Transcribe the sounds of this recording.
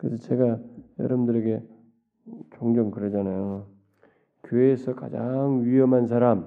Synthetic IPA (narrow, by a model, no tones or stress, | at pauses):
kɯɾesʰʌt͡ɕe̞ɡajʌ̰ɾʌbndɯɾe̞ɡe̞ | t͡ɕoŋd͡ʑʌŋkɯɾʌd͡ʑanajo | kjoeːsʰʌka̰d͡ʑaŋɥiʌmɦans̬ʰaɾam